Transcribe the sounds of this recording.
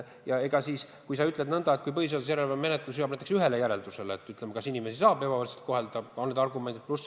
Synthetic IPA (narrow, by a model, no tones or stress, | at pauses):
jɑe̞ɡ̥ɑsiːs | kujsɑyt̪le̞d̪nɤnd̪̥ɑet̪ːˑkujpɤɦhis̬e̞ɑd̪us̬jæɾelvɑmme̞net̪ˑlusjoːbmnæjt̪ːˑe̥syɦe̞le̞jæɾe̞ld̪use̞leːt̪ːˑyt̪lemɑkɑsinime̞sisɑːbe̞bɑvɤrselt̪ko̞ɦe̞ld̪̥ɑonːed̪ɑrɡume̞nd̪id̪̚plus